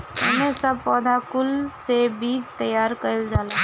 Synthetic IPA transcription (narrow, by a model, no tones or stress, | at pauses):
ɐmesɐb̚pɔːd̪ʱakʊlsebiːd͡ʒt̪əjaːɾkəld͡ʒaːla